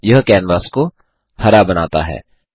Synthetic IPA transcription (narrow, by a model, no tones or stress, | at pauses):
jɐɦkɛːnʋaːsko | hɐɾabɐnaːt̪a̰ɦɛ̰ː